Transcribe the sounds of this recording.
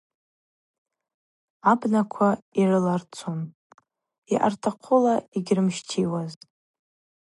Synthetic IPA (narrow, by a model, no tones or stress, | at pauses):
abnakʷʰairɨlart͡sʰon | iʔa̰rtʰaqʰʊlaiɡʲrɨmʃtʰiwaztʼ